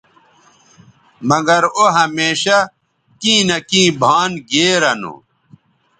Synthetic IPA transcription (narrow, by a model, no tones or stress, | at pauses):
mɐɡɐɾoɦɐmeːɕɐ | kĩːnɐkĩːbʱaːnɡeːɾɐnṵ